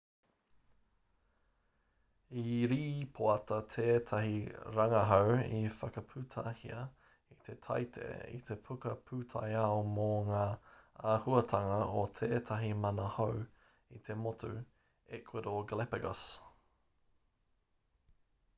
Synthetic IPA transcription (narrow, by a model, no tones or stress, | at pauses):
iɾiːpʰoɐt̪ɐt̪ʰeːt̪ʰɐhiɾɐŋɐɦowḭfɐkɐpʰʉt̪ʰahiɐ | it̪ʰe̞t̪ʰɐ̰jt̪ʰḛḭt̪ʰe̞pʰukɐpʰʉtʰa̰jɐomoŋaːaːhuɐt̪ʰɐŋɐot̪ʰeːt̪ʰɐɦimɐnɐhow | it̪ʰe̞mot̪ʰu | ɛkʰwedoɡlɛpɛɡɐs